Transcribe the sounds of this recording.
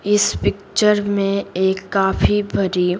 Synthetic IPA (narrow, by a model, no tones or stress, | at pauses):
ɪspɪkt͡ʃəɾmẽeːkːaːfʰibɐɾi